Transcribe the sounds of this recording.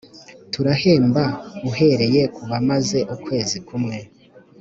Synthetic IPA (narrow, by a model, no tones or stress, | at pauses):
tuɾahe̞ːmbauɦe̞ɾe̞je̞kuβamaze̞ʔukwe̞ːzikumŋe̞